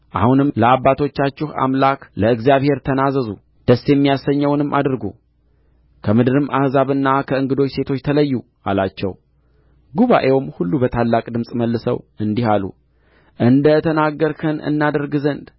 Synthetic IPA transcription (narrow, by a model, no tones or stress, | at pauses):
ʔahunɨmləabːat̪ʰo̞t͡ʃːat͡ʃːɪha̰mlakləɨɡzijaβhe̞ɾt̪ʰənazəzṵ | d̪̥əsjɛmːijasːəɲːəwnɨmːʔa̰d̪ɾɡṵ | kʰəmɨd̪ɨɾɨmʔahzaβɨnːakʰəɨŋɡɨd̪o̞t͡ʃːse̞t̪ʰo̞t͡ʃːt̪ʰələjːu | a̰lat͡ʃːɛ̰w | ɡuβa̰ʔe̞wmhulːubət̪ʰalːakʼd̪ɨmsʼməlːɨsə̰wɨnd̪iɦalṵ | ʔɨnd̪ət̪ʰənaɡːəɾkʰənɨ̰nːad̪əɾɡɨzənd̪